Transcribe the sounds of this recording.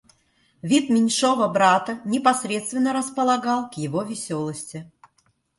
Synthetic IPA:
vʲit̪mʲɪnʲʂovəbɾat̪ənʲɪpɐsɾʲe̞t̪st̪vʲɪnːəɾəspəlˠɐɡɑlˠkjɪvovʲɪsʲolˠəsʲtʲɪ

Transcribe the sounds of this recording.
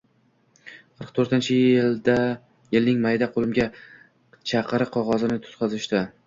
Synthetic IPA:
qʰɨɾɨq̚t̪ʰoɾt̪ɪnt͡ʃʰɪjd̪a | jɪlnɪŋmajd̪aqʰolˠɪmɡʲa | t͡ʃʰɑqʰɾɪqʰɒʁɒzɪnɪt̪ʰʊ̥t̪qɑzɪʃt̪ɪ

